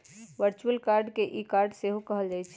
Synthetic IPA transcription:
ʋəɾt͡ʃuəlkaːɾɖkeʔikaːɾɖseɦokəɦəld͡ʒaːjt͡ʃʰ

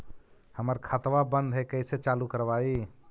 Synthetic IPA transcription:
həməɾkʰat̪ʋabə̃nd̪ʱɦɛkəɪset͡ʃaːlukəɾʋaːi

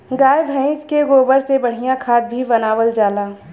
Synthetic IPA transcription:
ɡaːɪbʱɛ̃ɪ̃skeɡoːbəɾsebɐɽ̤ijakʰaːt̪̚bʱibɐnaːwəld͡ʒaːlaː

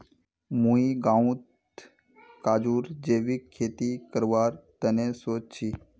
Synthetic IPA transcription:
mũiɡãũt̪ | kaːd͡ʒuɾd͡ʒeːʋikʰːeːt̪ikəɾʋaːɾt̪ənesoːd͡ʒt͡ʃʰi

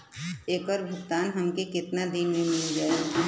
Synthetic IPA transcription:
eːkɔɾbʱʊkt̪aːnɦɐmkekɪt̪nad̪inmẽmɪld͡ʒaːe

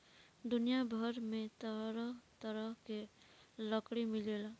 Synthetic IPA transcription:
d̪ʊnijabʱəɾmẽt̪əɾət̪əɾəɦke | ləkɽimɪleːla

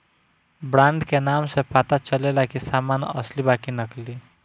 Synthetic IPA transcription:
bɾãɳɖkenamsepat̪at͡ʃəlelakisamanʌ̰slibakinəkli

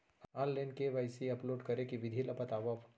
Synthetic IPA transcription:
alːẽnkeʋajsiɐploːɖkəɾekiʋɪd̪ʱilɐpət̪aʋap

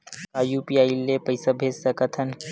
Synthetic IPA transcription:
aːjuːpiaːilːepɐɪsɐbʱeːsɐkɐt̪ʰɐn

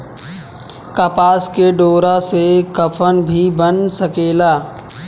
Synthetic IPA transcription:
kɐpaːskeɖoːɾasekɐpʰənbʱibənsəkeːlaː

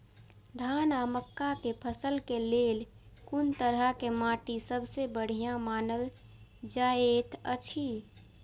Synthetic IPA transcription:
d̪ʱaːnaməkːakepʰəsəlkeleːl | kʊnt̪əɾəkemaːʈisəbsebəɽ̤ijamaːnəl | d͡ʒaːet̪ət͡ʃʰi

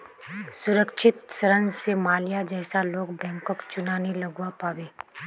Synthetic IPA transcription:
sʊɾəkʃʰɪt̪səɾənsemaːlijad͡ʒɛːsaloːɡbɛ̃ːŋkɔkt͡ʃʊnaːnelɐɡwapaːweː

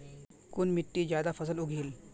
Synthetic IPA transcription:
kunmiʈːiːd͡ʑjad̪afəs̬əluɡʱiːl

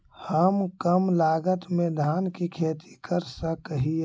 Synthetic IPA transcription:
həmkəmlaːɡət̪mẽd̪ʱaːnkikʰeːt̪ʰi̥kəɾsəkɦi

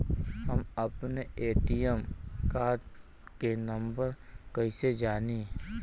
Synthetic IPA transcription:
ɦəmɐpneeːʈijəmkaːɖ | kenɐ̃mbəɾkɐised͡ʒaːniː

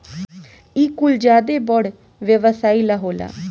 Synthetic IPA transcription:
iːkʊld͡ʒjaːd̪eːbɔɽ | ʋjəʋəsaːiːlaːɦoːla̰ː

